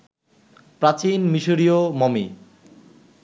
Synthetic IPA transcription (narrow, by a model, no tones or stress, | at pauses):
pɾat͡ɕinmiʃoɾiomɔmi